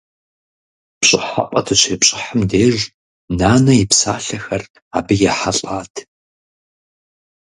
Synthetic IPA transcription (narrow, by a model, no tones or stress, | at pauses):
pɕʼɪħa̰qʷʼɐtʰɨɕʷʰeːpɕʼɪħəmdeːʒ | naːnɐɪpsaːɬɐxɐr | aːbɨjɛħaɬʼaːtʰ